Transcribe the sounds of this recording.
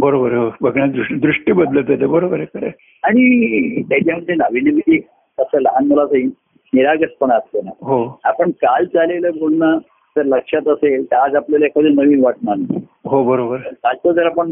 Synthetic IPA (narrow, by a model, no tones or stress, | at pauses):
bəɾobəɾɦobʱəɡɳjad̪ɾuʂʈd̪ɾuʂʈiːbəd̪lət̪at̪ebəɾobəɾekəɾḛ | aɽ̃it̪jat͡ɕjaməd̪d͡zenaʋinimit̪i | əsələɦanməlasai | niɾaɡəspəɳast̪ena̰ɦoapəɳkald͡zaleləbʱolna | t̪əɾləkʂat̪əselt̪ad͡zaplaləekʰad͡z̪enəʋiːnʋaʈ̚nanaɦobəɾobəɾəkalt͡sət̪əɾapəɳ